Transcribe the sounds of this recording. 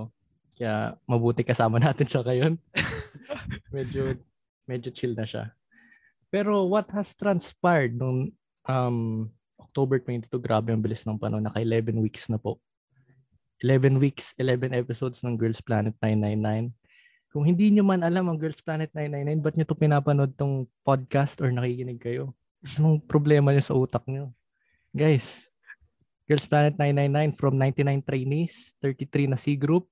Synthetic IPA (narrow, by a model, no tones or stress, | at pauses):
kɐja̰mɐbuːt̪ɪkɐsaːmɐnaːt̪ɪnʃɐŋɐjon | mɛd͡ʒo | mɛd͡ʒot͡ʃild̪nɐʃa̰ | pɛːɾo̞wɐt̪̚hɐst̪ɾɐnspajɹd̪̚nʊŋ | ʔɐm | ʔok̚t̪obɛɹt̪ʊwɛnt̪i̥t̪uɡɾaːbɛjɐŋbɪlɪsnɐŋpɐ̰nʔonːɐkɐʔɪlɛvɛnwiksnɐpo̞ʔ | ʔɪlɛvɛnwiksʔɪlɛvɛnʔɛpɪsowd̪snɐŋɡɛɹlsplaːnɛt̪̚najnːajnːajn | kʊŋhɪnd̪iːɲomɐnɐlamɐŋɡɛlsplaːnɛt̪najnːajnːajnbɐt̪̚ɲot̪opɪnaːpɐno̞d̪̚t̪oŋpod̪̚kast̪ʔoɹnɐkikɪnɪɡ̚kɐjo̞ | nʊŋpɾoblɛːmɐɲosɐʔuːt̪ɐk̚ɲo̞ | ɡajs | ɡ̥ɛɹlsplaːnɛt̪̚najnːajnːajnfɾɐmnajnt̪ɪnajnt̪ɾejnist̪ɛɹt̪it̪ɾinɐsiɡɾup̚